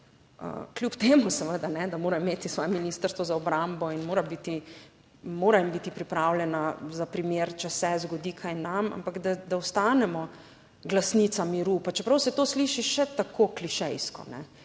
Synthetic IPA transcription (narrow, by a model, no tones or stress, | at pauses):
ə̰klʲjupt̪eːmusɛʋəd̪anɛd̪amoːɾaimeːt̪isʋɔːjɛminist̪əɾst̪ʋɔzaɔbɾambɔinmoːɾabit̪i | moːɾajimbit̪ipɾipɾawljɛnazapɾimeːɾt͡ʃɛsɛzɡɔd̪iːkʰajnama̰mpaɡd̪ad̪aɔst̪anɛmɔ | ɡlasnit̪samiɾupat͡ʃɛpɾɐwsɛt̪oːsliʃiʃɛt̪akʰoːkliʃɛjskɔ̰nɛ̰